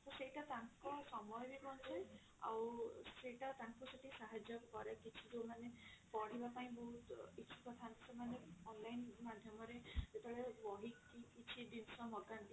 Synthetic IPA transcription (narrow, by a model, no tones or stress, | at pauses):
t̪ɔsejʈat̪aŋkɔsɔmɔjbikɔnt͡ʃʰaj | a̰wseʈat̪aŋkuseʈisaɦad͡ʒjɔkɔɾakit͡ʃʰid͡ʒewmanepɔɽ̤ibapaĩbɔɦut̪it͡ʃʰi̥kɔt̪ʰansemaneɔnlajnmad̪ʱjɔmɔɾed͡ʒet̪ɔɭebɔɦikːikit͡ʃʰid̪insɔmɔɡant̪i